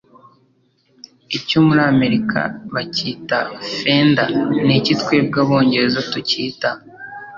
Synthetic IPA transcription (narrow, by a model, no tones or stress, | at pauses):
icomuɾame̞ɾikʰa̰βaciːtafe̞ndanicitkweb̚ɡaβo̞ːɲɟe̞ɾezotuciːta